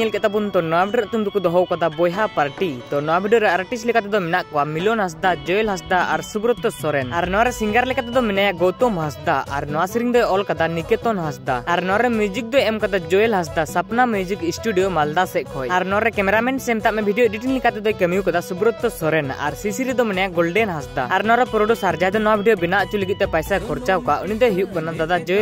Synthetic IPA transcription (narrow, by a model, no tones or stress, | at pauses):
ɛlkɛt̪apunt̪ɔnɔwabʱiɖɾaʔt̪umd̪ukɔd̪ɔɦɔwkad̪abɔjɦapaɾʈid̪ɔnɔwabʱiɖijɔɾɛaɾʈislikat̪ɛd̪ɔmɛnaʔkɔwamilɔnɦas̬d̪ad͡ʒɔjlɦasd̪aʔaɾsubɾɔt̪ːɔsɔɾɛnaɾnɔwaɾɛsiŋɡaɾlɛkat̪ɛd̪ɔminajaʔɡɔwt̪ɔmɦasd̪aa̰ɾnɔwasiɾiŋd̪ɔjɔlkad̪anikɛt̪ɔnɦasd̪aaɾnɔɾɛmjud͡ʒik̚d̪ɔjɛmkad̪ad͡ʒɔjɛlɦas̬d̪asapnamud͡ʒikisʈuɖijɔmald̪asɛʔ̚kʰɔjaɾnɔɾɛkɛmɛɾamɛɳsɛmt̪aʔmɛbʱiɖijoɖiʈiŋlikat̪ɛd̪ɔjkɛmijukad̪asubɾɔt̪ːɔsɔɾɛna̰ɾsisiɾid̪ɔminajaʔɡɔlɖɛnɦasd̪aaɾnɔwaɾɛpɾɔɖusaɾd͡ʒad̪ɔnɔwabʱiɖijobinaʔt͡ʃuliɡit̪̚ˀt̪ɛpajsakʰɔɾt͡ʃawkaʔunid̪ɔɦijuʔ̚kɔnad̪ad̪ad͡ʒɔj